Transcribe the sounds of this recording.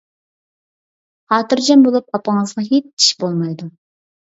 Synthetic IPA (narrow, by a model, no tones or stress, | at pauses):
hɑːt̪ɨɾd͡ʒɛmbolˠup̚ɑpɑŋəzʁɑɦet͡ʃi̥ʃbolˠmɑjd̪u